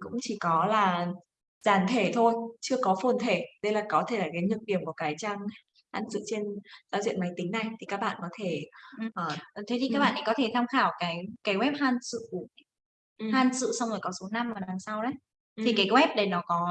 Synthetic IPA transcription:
kʊ̰˧˥ŋ͡mt͡ɕi˧˩kɔ˨˦laː˨˩ | zaː˨˩nt̪ʰe˧˩t̪ʰo˧jt͡ɕɨ˧əkɔ˨˦fo˨˩nt̪ʰe˧˩ɗə˧jlaː˨˩kɔ˨˦t̪ʰe˧˩laː˨˩kaː˨˦jɲɨ˨˩k̚ɗi˨˧˩əmkkaː˨˦jt͡ɕaː˧ŋ | haː˧nsɨ̰˧˨t͡ɕe˧nzaː˨˧˩zḭ˧˨ənma˨˦jt̪ï˦ŋ̟na˨˩jt̪ʰi˨˩kaː˦˥k̚ɓa̰ː˧˨nkɔ˨˦t̪ʰe˧˩˧ʔəː˨˩˨t̪ʰe˨˦t̪i˨kaː˦˥ɓa̰ː˧˨na˨˩kɔ˨˦t̪ʰe˧˩t̪ʰaː˧mxaː˧˩wkaː˨˦jkaː˨˦jwɛ˦˥p̚haː˧nsɨ̰˧˨u˨˩˨ | haː˧nsɨ̰˧˨sa˧wŋ͡mzo˨˩kɔ˨˦so˨˦na˧mvaː˨˩laː˨˩ŋsa˧wʔə˨˦j | t̪ʰi˨˩kaː˨˦jɣwɛ˦˥p̚ɗə˨˩jnɔ˨˦kɔ˨˦

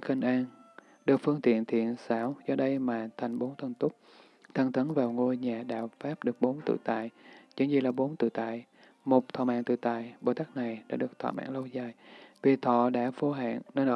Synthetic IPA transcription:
xi˧ŋʔaː˧n | ɗɨ˨˩k̚fɨ˧əŋt̪ḭ˧˨ənt̪ʰḭ˧˨ənsaː˧˥wzɔ˧ɗə˧jmaː˨˩t̪ʰa˨˩jŋ̟ɓo˨˦nt̪ʰə˧nt̪ʊ˦˥k͡p̚ | t̪ʰə˧ŋt̪ə˨˦nvaː˨˩wŋo˧jɲaː˨˩ɗa̰ː˧˨wfaː˦˥p̚ɗɨ˨˩ək̚ɓo˨˦nt̪ɨ̰˧˨t̪a̰ː˧˨jt͡ɕɨ̰˨˧˦ŋzi˧˩laː˨˩ɓo˨˦nt̪ɨ̰˧˨t̪a̰ː˧˨j | mo˨˩k͡p̚t̪ʰɔ̰˧˨˩ma̰ː˧˨ŋt̪ɨ̰˧˨t̪a̰ː˧˨jɓo˨˩t̪aː˦˥k̚na˨˩jɗa̰ː˧˥ɗɨ˨˩əkt̪ʰɔ̰ː˧˩ma̰ː˧˨ŋlə˧wzaː˨˩jvi˨˩t̪ʰɔ̰˧˨ɗa̰ː˧˥fo˧˦ɦa̰ː˧˨nnəː˧nʔə˧

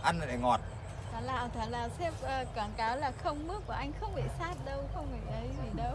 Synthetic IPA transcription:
ʔa˧na˨˩ɗa˧˩ŋɔ˨˩t̚ | t̪ʰaː˨˩laː˨˩wt̪ʰaː˨˩laː˨˩sɛ˦˥p̚ʔəː˧˩kaː˧˩ŋkaː˨˦wlaː˨˩xə˧wŋ͡mmɨ˦˥əkːu˧˩ʔa˧jŋ̟xə˧wŋ͡mɓḭ˧˨saː˦˥t̚ɗə˧wxə˧wŋ͡mɓɨ̰˧˩ʔə˨˦jzi˨˩ɗə˨˧˦w

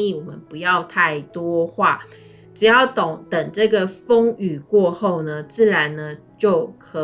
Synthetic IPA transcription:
i˥˩wɔ˨˩mə˦npu˧˦jɑ˥˧ʊt̪ʰa˥˩ɪt̪wɔ˦xwa˥˩ | ʈ͡ʂɻ̩˨˩jɑ˥˩ʊt̪o˨˩ŋt̪ə˨˩ŋʈ͡ʂɤ˥˩ɡə˨fo˥ŋy˨˩kwɔ˥˧xo˥˩ʊnə˨t͡sɹ̩˥˩ɻa˧˦nnə˧ | t͡ɕjo˥˩ʊkʰɤ˧˦

